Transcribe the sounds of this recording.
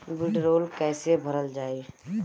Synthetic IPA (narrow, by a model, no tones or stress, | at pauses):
bɪɖɾoːlkɛːsebʱəɾəld͡ʒaːe